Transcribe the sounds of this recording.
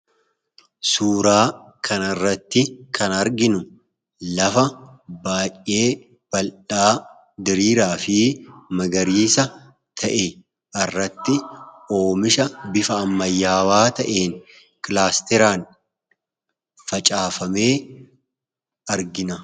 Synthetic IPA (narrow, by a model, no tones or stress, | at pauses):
suːɾaː | kʰɐnɐrːɐt̪ːɪkʰɐnɐɾɡɪnʊ | lɐfɐ | baːjːe̞ː | b̥ɐlᶑaː | d̪ɪɾiːɾaːfɪmɐɡɐɾiːsɐ | t̪ʰɐʔe | ʔɐrːɐt̪ːɪo̞ːmɪʃɐbɪfɐːmːɐjːaːwaːt̪ɐʔe̞ːn | kʼɪlaːst̪ɛɾaːn | fɐt͡ʃʼaːfɐme̞ː | ɐɾɡɪnɐ